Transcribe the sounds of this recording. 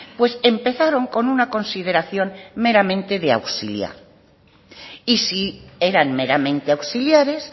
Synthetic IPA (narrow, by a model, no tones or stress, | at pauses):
pwe̞se̞mpe̞θaɾo̞ŋko̞nunako̞nsið̞e̞ɾaθjo̞nme̞ɾamẽ̞nt̪e̞ðea̰wsilja̰ɾ | isie̞ɾanmeɾamẽnt̪eawsiljaɾe̞s